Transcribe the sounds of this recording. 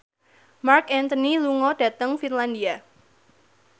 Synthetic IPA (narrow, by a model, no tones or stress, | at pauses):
markɛnt̪əniluŋɔd̥ä̤t̪əŋfinland̪ia